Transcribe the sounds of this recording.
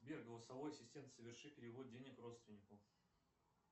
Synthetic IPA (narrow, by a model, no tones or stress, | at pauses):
bʲerɡəlˠəsɐvo̞jɐsʲɪsʲtʲe̞nt̪səvʲɪrʂɨpʲɪɾʲɪvo̞t̪̚dʲenʲɪkro̞t̪st̪vʲɪnʲɪkʊ